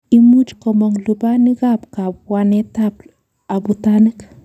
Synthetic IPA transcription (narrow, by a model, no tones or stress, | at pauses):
imut͡ʃkɔmoŋlubanikapkapwanetap̚ | abutanɨk